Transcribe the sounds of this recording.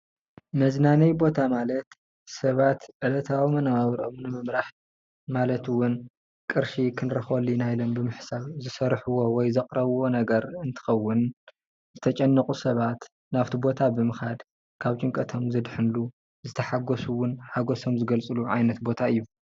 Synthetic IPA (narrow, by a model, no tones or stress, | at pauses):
mɐznanɐjbo̞t̪ʰamalɐt̪ | sɐβat̪ʕɨlɐt̪ʰawimɐnaaβɾʔomnɨmɨmɾaħ | malɐt̪ɨwːʊn | kʼɨɾʃikʰɨnɾɐxolːinajlombɨmɨħsaβzɨsɐɾħuwowɔjzɐqʼɾɐβwo̞nɐɡɐɾɨnt̪ʰɨ̥xɐwːʊn | zɨt̪ʰɐt͡ʃʼɐnːɐkʼusɐβat̪ | naβt̪ʰibo̞t̪ʰabɨmɨxad̪ | kʰaβt͡ʃʼɨŋkʼɐt̪ʰo̞mzɨd̪ħɨnlu | zɨt̪ʰɐħaɡosuwʊnħaɡo̞so̞mzɨɡɐlt͡sʼɨluʕa̰jnɐt̪bo̞t̪ʰaɨjːu